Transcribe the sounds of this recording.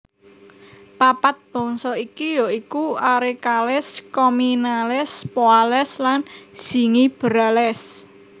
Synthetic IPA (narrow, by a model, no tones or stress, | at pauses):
papat̪̚b̥ɔ̤ŋsɔikijoikuaɾekalɪskɔminalɪspoalɛslanz̥i̤ŋib̥əɾalɛs